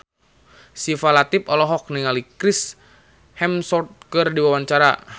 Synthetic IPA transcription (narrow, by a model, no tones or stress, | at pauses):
sifalat̪ipɔlɔɦɔk̚niŋalikɾis | hɛmsɔt̪̚kɨrdiwawaɲt͡ʃaɾa̰